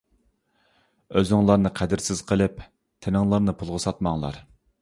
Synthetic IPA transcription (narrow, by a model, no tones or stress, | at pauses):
øzɪŋlˠɑɾnɨqʰæd̪ɪɾsɪz̥qʰəlˠɪp | t̪ʰɪnɪŋlˠɑɾnɨpʰulˠʁəsɑt̪mɑŋlˠɑ̰ɾ